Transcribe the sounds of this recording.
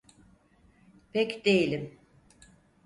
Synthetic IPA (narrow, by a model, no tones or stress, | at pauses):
pʰɛcd̪ejilʲim